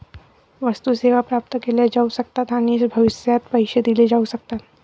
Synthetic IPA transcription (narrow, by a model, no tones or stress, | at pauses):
ʋəst̪useʋapɾap̚t̪əkeled͡ʒausəkt̪at̪aɽ̃isbʱɐʋɪsjat̪pəjʃəd̪iled͡ʒausək̚t̪at̪